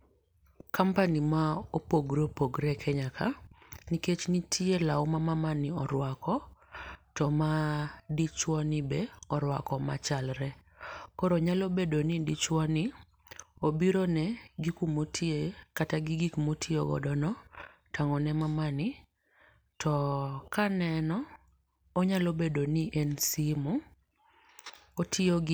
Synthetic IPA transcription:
kampanimaopoɡɾopoɡɾɛkʰɛɲakʰaniket͡ʃnitʰielaʊmamamanɪɔɾwakɔ | tɔmadit͡ʃwɔnɪbeɔɾwa̰kɔmat͡ʃalɾɛ | kɔɾoɲalobedonɪdit͡ʃwɔnɪ | obiɾonɛɡikumotʰiekataɡɪɡikmotʰieo̰ɡɔ̰dɔnɔ | taŋɔnɛmamanɪ | tʰɔkanɛnɔː | ɲalobedoniʔɛnsimu | otʰɪoɡ

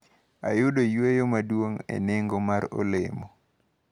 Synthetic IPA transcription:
a̰jʊdojwejomadwoŋḛneŋɡomaɾo̰lḛmo

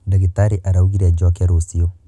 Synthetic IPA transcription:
daɣitaɾiʔaɾauɣiɾɛd͡ʒokɛɾosio

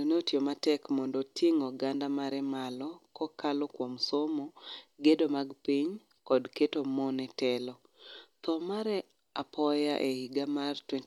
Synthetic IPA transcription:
oneotjomatɛkmɔndɔtiŋɔɡandamaɾɛmalɔkɔkalɔkwɔmsomoɡedomaɡpiɲ | kɔdketomonɛtɛlɔ | t̪ɔmaɾɛ | apʰɔjaʔehiɡamartwɛn

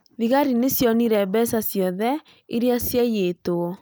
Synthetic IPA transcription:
ðiɣaɾinesjɔniɾɛbɛsasjɔðɛ | eɾiasjajetoɔ

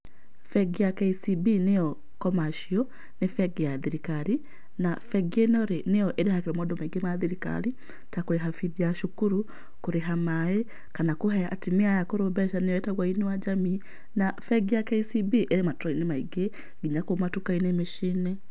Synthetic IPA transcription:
fɛɡijakɛisibinejɔ | kɔmaʃiɔ | nefɛɡjaðiɾikaɾi | nafɛɡienɔɾenejɔʔeɾehakeɾɛmɔdɔmɛɡemaðiɾika̰ɾi | takoɾeɦafiðiaʃukuɾu | koɾeɦamae | kanakoɦɛa̰timeajakoɾobɛʃanejɔetaɣwainewad͡ʒami | nafɛɡijakɛisibiʔeɾematɾɔinemaiɡe | ɡiɲakomatukainemeʃinɛ

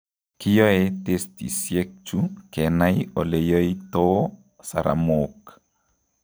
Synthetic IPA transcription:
kijoet̪est̪ḭsjek̚t͡ʃukenajolejəjt̪o | sa̰ɾʔa̰mok

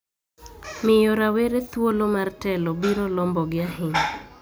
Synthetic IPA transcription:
mɪjoɾaweɾet̪wolomartɛlɔbiɾolɔmbɔɡɪaɦɪŋ

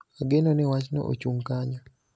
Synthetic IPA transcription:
aɡenɔnɛwat͡ʃnɔ̰ʔo̰t͡ʃuŋkaɲɔ

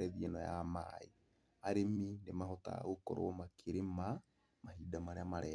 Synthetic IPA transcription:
ɛðiɛnɔja̰ma̰i | aɾeminemaɦɔta̰ɣokɔ̰ɾɔ̰makʰeɾema | mahidamaɾeamaɾɛː

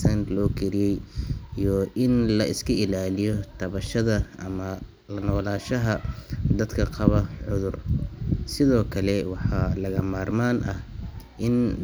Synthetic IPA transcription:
sɐnlɔːkʰɛɾɪjɛjijɔʔɪnlɐʔɪskʰɐɪlaːlɪjɔt̪ʰɐβɐʃɐðɐʔɐmɐ | lɐnɔːlaːʃɐɦɐd̪ɐd̪kʰɐqɑβɐʕʊðʊrsɪðɔːkʰɐlɛwɑħɑlɐɣɐmaːrmaːnʔɐhʔɪn

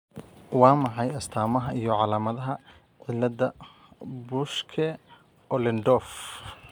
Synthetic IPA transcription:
wɑːmɑħɑjɐst̪ʰaːmɐɦɐijɞʕɑlaːmɐðɐɦɐ | ʕɪlːɐðɐ | bʊʃkʰɛ | ʔɔlɪnd̪ɔːf

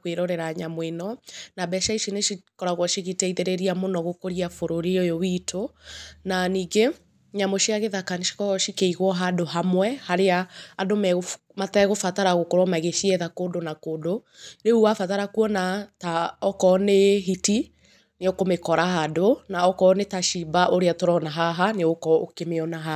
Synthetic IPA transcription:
kweɾoɾɛɾaɲamwenɔnabɛʃaiʃineʃikɔɾaɣwɔʃiɣitɛiðeɾeɾiamonɔɣokoɾiafoɾoɾiojowitʰonaniːɡe | ɲamoʃiaɣeðakaniʃi̥kɔɣɔʃikeiɣwɔɦadoɦamwɛhaɾeaadomɛɣo | matɛɣofataɾaɣokoɾɔmaɣeʃiɛðakoːdonakoːdo | neuafataɾakuɔnataɔkɔneɦiti | neokomekɔɾahadonaɔkɔnetaʃibaʔoɾeatoɾɔnaɦaɦaneokɔokemeɔnaɦa

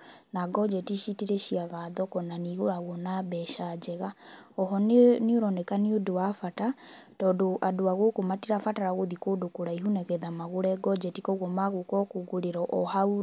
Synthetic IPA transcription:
naɡɔd͡ʒɛtiʃitiɾɛʃiaɣaðɔkɔnaniɣoɾaɣwɔnaβɛʃad͡ʒɛɣaɔɦɔnnioɾɔnɛkaniodoafatatɔːdoʔadoaɣokomatiɾafataɾaɣoðikodokoɾaiɦunɛɣɛðamaɣoɾɛɡɔd͡ʒɛtikɔɣwɔmaɣokɔkuɡoɾeɾɔʔɔhau

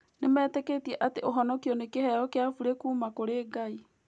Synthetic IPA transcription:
nemɛːteketiɛʔateoɦɔnɔkiɔnekehɛɾɔkeafuɾekuːmakoɾeːɡai

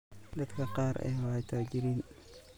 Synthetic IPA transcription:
d̪ɐd̪kʰɐqɑːɾʔɛ̰hwajt̪ʰaːd͡ʒɪɾiːn

